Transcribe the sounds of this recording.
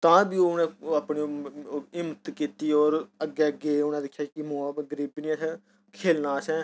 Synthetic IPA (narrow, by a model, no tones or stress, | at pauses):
t̪ãːbiːonẽːaːpɳiːɪmət̪kiːt̪iːɔːɾəɡɛːəɡeːʊnɛ̃ːd̪ɪkʰːjaːkɪmõːɡəɾiːbniːs | kʰeːlnaːsɛ̃ː